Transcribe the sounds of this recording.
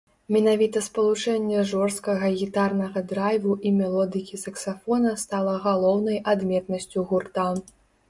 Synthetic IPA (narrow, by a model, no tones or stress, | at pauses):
mʲɛnavʲit̪ɐspɐlˠut͡ʂɛnʲːɛʐɔʂst̪kɐɣɐɣʲit̪arnɐɣɐd̪ɾajvuʔimʲɛlˠɔd̪ɨkʲisɐksafɔnɐst̪alˠɐɣalˠɔwnɐjʔad̪mʲɛt̪nɐsʲt͡sʲuɣurt̪an